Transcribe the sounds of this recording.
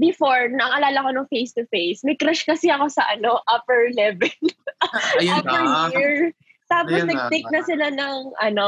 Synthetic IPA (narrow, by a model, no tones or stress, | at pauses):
bɪfoɹɐŋʔɐlaːlɐko̞nʊŋfejst̪ʊfejsmɐɡkɾaʃkɐsɪɐko̞sɐʔɐno̞ʔɐpɛɹlɛvɛl | japɛɹjiɹ | t̪aːposnɐɡ̚t̪ejk̚nɐsɪlanɐŋʔɐno